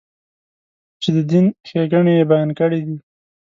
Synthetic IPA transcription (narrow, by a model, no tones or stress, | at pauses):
t͡ʃed̪əd̪inxeɡaɳejebajɑnkəɽid̪i